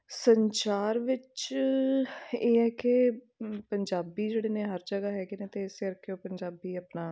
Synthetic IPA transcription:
səɲt͡ʃaːɾʋɪt͡ʃ | eːɦɛːkɪ | pəɲd͡ʒaːbiːd͡ʒeːɽeːneːɦəɾd͡ʒəɡaːɦɛːɡeneːt̪eːɪseəɾkʰːeoːpəɲd͡ʒaːbiːəpnaː

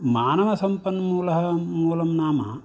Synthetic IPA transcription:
maːnɐʋɐsɐmpɐnːmuːlɐɦɐmuːlɐmnaːmɐ̰

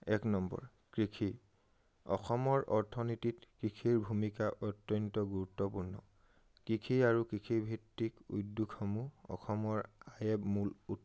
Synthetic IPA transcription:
ɛknɔmbɔ̰ɹ | kɹikʰi | ɔ̰xɔmɔɹʔɔɹtʰɔnititkɹikʰiɹbʱumikaʔɔtːɔntɔɡuɹutːɔpuɹnɔ | kɹikʰiaɹukikʰibʱitːikṵjdːukʰːɔmuɔ̰xɔmɔɹajɛbmulut

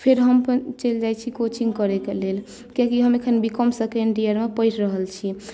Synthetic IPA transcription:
pʰeɾɦəmpənt͡ʃəld͡ʒajt͡ʃʰikot͡ʃiŋɡkəɾekelel | kiãkiɦəmekʰənbikəmsəkeeɳɖiəɾmepəjʈʰɾəɦəlt͡ʃʰi

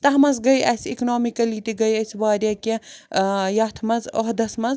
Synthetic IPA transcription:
t̪ɐɦmɐzɡɐjɐ̰siknoːmikɐlit̪iɡɐjɐsbaːɾʲɐke | jɐt̪ʰmɐzo̰ɦd̪ɐsmɐz

